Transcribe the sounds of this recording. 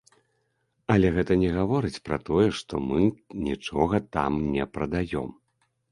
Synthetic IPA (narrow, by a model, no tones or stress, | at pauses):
ɐlʲɛɣɛt̪ɐnʲɛɣavɔɾɨt͡sʲpɾɐ̰t̪ɔjɛʂt̪ɔmɨnʲit͡ʂɔɣɐt̪a̰mnʲɛpɾɐd̪ajɔ̰m